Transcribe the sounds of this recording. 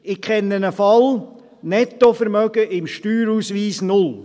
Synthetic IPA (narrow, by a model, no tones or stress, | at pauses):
ɪkʰɛnːənəfɑl | nɛt̪ofəɾmœɡ̥əʔɪmʃtyːɾusʋiːsnʊl